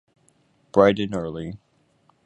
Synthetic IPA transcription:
b̥ɹaɪɾɨ̃nɜ˞lˠi

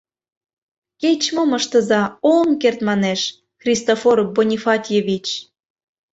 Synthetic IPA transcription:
ket͡ɕmoməʃt̪ə̆zɑolnkert̪mɑneʃ | xrʲist̪ofoɾ̚bonʲifɑt̪ʲjeβʲit͡ɕ

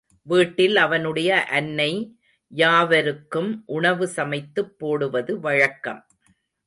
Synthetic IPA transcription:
ʋiːʈːɪlɐʋɐnɯɽɐjɐʔɐnːɐɪ | jaːʋɐɾɯkːɯmʔʊɳɐʋɯsɐmɐɪt̪ːɯpːoːɽɯʋɐðɯʋɐɻɐkːɐ̰m

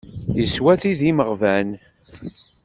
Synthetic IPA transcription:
jəswæθiðiməʁvæn

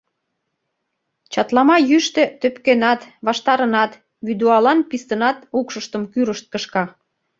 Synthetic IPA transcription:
t͡ɕɑt̪lɑmɑjyʃt̪ĕt̪øpkenɑt̪βɑʃt̪ɑɾənɑt̪ | βyd̪uɑlɑnpist̪ənɑt̪ukʃəʃt̪əmkyɾəʃt̪̚kəʃkɑ

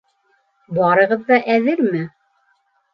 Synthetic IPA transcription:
bɑɾɤ̆ʁɤðːɑʔæðɘɾmɘ

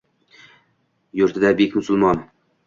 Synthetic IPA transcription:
jʊɾt̪ʰɪd̪abekʲmʊsʊlˠmɒn

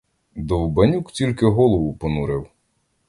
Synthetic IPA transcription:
d̪ɔwbɐnʲuktʲilʲkɪɦɔlˠɔʋʊpɔnuɾɪw

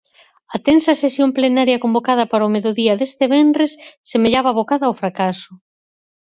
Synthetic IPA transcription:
ɐt̪ensɐsesjomplenaɾjɐkombokað̞ɐpaɾomeðoðiɐðest̪eβɛnɾesːemeʎaβaβokaðɐofɾakasʊ

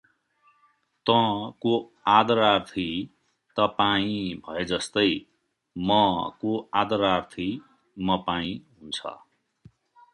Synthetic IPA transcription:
t̪ʌ̃ko | ad̪ʌɾart̪ʰi | t̪ʌpaĩbʱʌed͡zʌst̪ʌj | mʌkoad̪ʌɾart̪ʰi | mʌpaĩɦunt͡sʰʌ̰

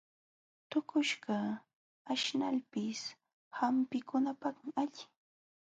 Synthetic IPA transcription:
t̪ʊkʊʃɢɑ | aʃnalpɪs | hampɪkʊnapaχmɪaʎɪ

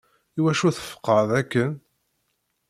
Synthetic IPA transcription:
iwæʃuθə̥fə̥qːəðækːən

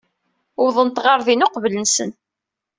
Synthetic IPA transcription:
wðˤənt̪ʁɑɾðinʊqvlənsən

